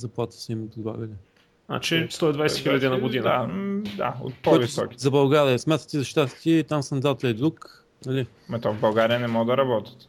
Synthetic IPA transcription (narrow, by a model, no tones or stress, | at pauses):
zɐplˠat̪ə̥simət̪od̪bˠa̰ɡəlɛ | na̰t͡ʃɛst̪ɔid̪vajsɛxilʲɐd̪inɐɡʊd̪inəad̪a̰o̰t̪̚pɔjvisɔ̰ki̥zɐbɐlˠɡaɾiəsmʲat̪ə̥t̪izɐʃt̪at̪t̪it̪amsɐnd̪at̪ɛd̪ɾuk | nɐli | mɐt̪ɔvbɐlˠɡaɾijənɛmɔɡd̪ɐɾɐbɔt̪ə̥t̪